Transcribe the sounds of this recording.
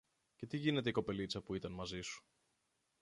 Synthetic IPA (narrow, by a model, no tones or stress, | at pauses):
ce̞t̪iʝine̞t̪e̞iko̞pe̞lit͡sɐpuit̪ɐnmɐzisu̥